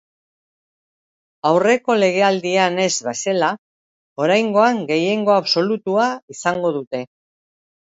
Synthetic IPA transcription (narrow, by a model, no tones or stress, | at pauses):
awre̞ko̞le̞ɣ̞e̞ald̪iane̞zβesela | o̞ɾajŋɡo̞aŋɡe̞je̞ŋɡo̞aβso̞lut̪uaisaŋɡo̞ðut̪e̞